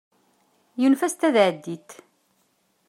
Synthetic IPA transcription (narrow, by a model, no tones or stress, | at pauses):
junfæst̪æðʕəd̪ːit̪